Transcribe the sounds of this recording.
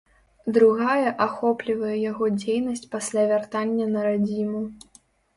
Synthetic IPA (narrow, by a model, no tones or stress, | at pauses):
d̪ɾuɣajɐʔaxɔplʲivɐjɛjaɣɔd͡zʲejnɐsʲt͡sʲpasʲlʲavʲart̪anʲːɐnɐɾad͡zʲimu